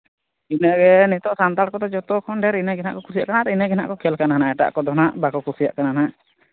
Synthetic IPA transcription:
inəʔɡɛnit̪ɔʔsant̪aɾkɔt̪ɔd͡ʒɔt̪ɔkʰɔnɖɛɾinaɡɛna̰ʔkɔkuɾsija̰ʔkanat̪ɛinɛɡɛna̰ʔkɔkʰɛlkananaɛʈa̰ʔkɔd̪ɔnaʔbakɔkusija̰ʔkanana

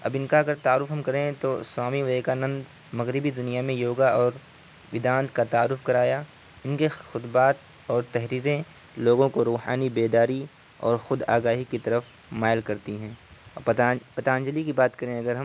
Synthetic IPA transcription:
ɐ̰bɪnkaɐɡəɾt̪aːɾːʊfɦɐ̃mkɐɾẽt̪oswaːmiʋɐekaːnə̃nd̪ | mɐɣɾɪbid̪ʊnijamẽjoːɡaɔːɾ | ʋɪd̪ãːnt̪kat̪aːɾːʊfkɐɾaːja | ɪnkexʊd̪baːt̪̚ | ɔːɾt̪ɛɦɾiːɾẽ | loːɡõkoɾuːɦa̰ːnibeːd̪aːɾi | ɔ̰ːɾxʊd̪a̰ːɡaːɦikit̪ɐɾəf | maːjəlkɐɾt̪iɦɛ̃ː | pɐt̪aːə̃ɲd͡ʒəlikibaːt̪kɐɾẽɐɡəɾɦɐ̃m

